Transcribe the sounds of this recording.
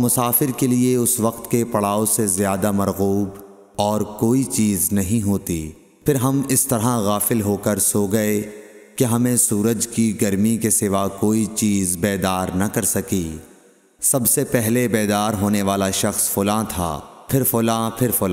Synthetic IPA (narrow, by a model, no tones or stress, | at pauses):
mʊsaːfɪɾkelieʊsʋɐqt̪kepɐɽaːosezjaːd̪amɐɾɣuːb | ɔːɾkoːit͡ʃiːznɐɦĩɦoːt̪i | pʰɪɾɦɐmɪst̪ɐɾɦaɣaːfɪlɦoːkɐɾsoːɡɐekeɦɐmẽsuːɾəd͡ʒkiɡɐɾmikesɪʋakoːit͡ʃiːzbɛːd̪aːɾnɐkɐɾsɐki | sɐbsepɛɦlebɛːd̪aːɾɦoːneʋaːlaʃɐxsfʊlãt̪ʰa̰ːpʰɪɾfʊlãːpʰɪɾfʊlã